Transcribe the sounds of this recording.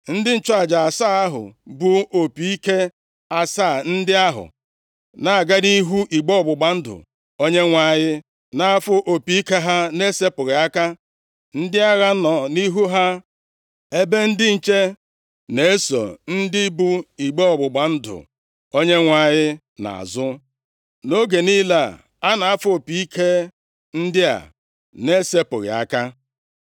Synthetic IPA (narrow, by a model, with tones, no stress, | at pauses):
n̩˦dɪ˦n̩˨t͡ʃa˨d͡ʒa˨a˨saː˦a˦ɦʊ̰˨bu˦o˨pi˨i˦ke˦ | a˦sa˦˨n̩˦dɪ˦a˦ɦʊ̰˨ | na˨a˨ɡa˦ɾi˦ɦu˦ʔi˨ɡ͡bo˦ɔ˨bʊ˨ɡ͡ba˨n̩˦dʊ̰˨ | o˦ɲe˦ŋʷa˨ɲɪ˦ | na˦a˦fʊ˦ʔo˨pi˨i˦ke˦ɦa˦ne˦se˦pʊ˨ɾɪ˨a˦ka˦ | n̩˦dɪ˦a˦ɣa˦nɔ˨ni˦ɦu˦ɦa˦ | e˦be˦n̩˦dɪ˦n̩˨t͡ʃe˦ | ne˨e˦sɔ̰˨n̩˦dɪ˦bu˦i˨ɡ͡be˦ɔ˨ɡ͡bʊ˨ɡ͡ba˨n̩˦dʊ̰˨ | o˦ɲe˦ŋʷa˦ɲɪ˦ | na̰˨a̰˨zʊ˦ | no˦ɡe˨ni˦la˨ | a˦na˨a˦fʊ˦o˨pi˨i˦kʰe˦ | n̩˦dɪ˦a̰˨ | ne˦se˦pʊ˨ɣɪ̰˨a̰˦ka˦